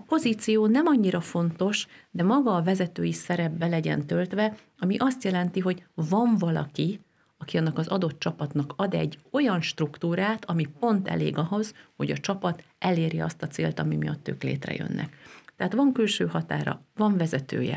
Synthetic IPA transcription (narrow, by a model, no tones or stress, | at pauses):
ɒpo̞ziːt̪sijoːnɛmɒɲːiɾɒfo̞nt̪o̞ʃd̪ɛmɒɡɒːvɛzɛt̪øːjisɛɾɛbːɛlɛɟɛ̰nt̪ø̞lt̪ʋɛ | ɒmiʔɒst̪jɛlɛnt̪iɦo̞ɟvɒɱvɒlɒ̰ki | ɒkiɒnːɒkɒzɒd̪o̞t̪t͡ʃɒpɒt̪nɒkɒd̪ɛ̰ɟːo̞jɒnʃt̪rukt̪uːɾaːt̪ɒmipo̞nt̪ɛ̰lḛːɡɒɦo̞z̥ho̞̰ɟɒt͡ʃɒpɒt̪ɛleːɾiɒ̰st̪ɒt̪sḛːlt̪ɒmimijɒ̰t̪ːø̰ːklḛːt̪rɛ̰jø̰nːʔɛ̰kt̪ɛɦaːt̪ʋɒŋkylʃøːɦɒt̪a̰ːɾɒ̰vɒɱvɛzɛt̪ø̰ːjɛ̰